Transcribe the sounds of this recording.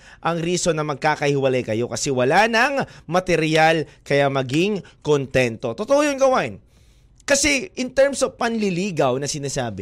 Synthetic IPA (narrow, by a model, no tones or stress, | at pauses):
ʔɐŋɾiːso̞nɐmɐɡ̚kaːkɐhɪwɐlajkɐjo̞kɐsɛwɐlanɐŋmɐt̪ɛɾjalkɐjamɐɡiŋkont̪ɛnt̪o̞t̪ot̪oʔojonɡɐwaʔɪn | kɐsɛʔɪnt̪ɛɹmsovpɐnlɪliːɡɐwnɐsɪnasaːbɪ